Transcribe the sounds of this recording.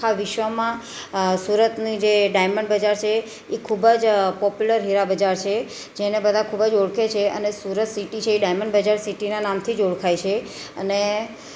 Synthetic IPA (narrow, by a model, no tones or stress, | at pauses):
aʋɪʃʋəmã | suɾət̪nĩd͡ʒeɖajməɳɖbəd͡ʒaɾt͡ʃʰe | ekʰubəd͡ʒpɔpjuləɾɦiɾabəd͡ʒaɾt͡ʃʰe | d͡ʒenebəd̪ʱãkʰubəd͡ʒoɽkʰet͡ʃʰeə̰nesuɾət̪siʈit͡ʃʰeːɖajməɳɖbəd͡ʒaɾsiʈinanamt̪ʰid͡ʒoɽkʰajt͡ʃʰe | əne